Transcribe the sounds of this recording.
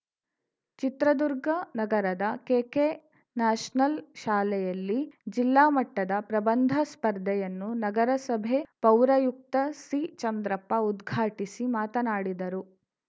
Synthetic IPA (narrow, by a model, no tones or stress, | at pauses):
t͡ʃit̪ɾɐd̪uɾɡɐnɐɡɐɾɐd̪ɐkeːke | naːʃnɐlʃaːlɛjɐlːid͡ʒilːaːmɐʈːɐd̪ɐpɾɐbɐnd̪ʱɐspɐɾd̪ʱɛjɐnːunɐɡɐɾɐsɐbʱepɐwɾɐjuk̚t̪ɐsɾiːt͡ʃɐnd̪ɾɐpːɐud̪ɡʱaːʈisimaːt̪ɐnaːɽid̪ɐɾu